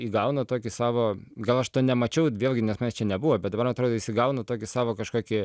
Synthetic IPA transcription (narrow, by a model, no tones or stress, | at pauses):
iːɡɐʊnɐt̪oːkʲɪsɑːʋoːɡɐlˠɐʃt̪oːnʲɛmɐt͡ʃʲɛʊʋʲeːlʲˠɡʲɪnʲɛsmɐnʲst͡ʃʲɛnʲɛbuʋoːbʲɛt̪̚d̪ɐbɐɾɐt̪ɾoːd̪oːisʲɪɡɐʊnɐt̪oːkʲɪsɑːʋoːkɐʃkoːkʲɪ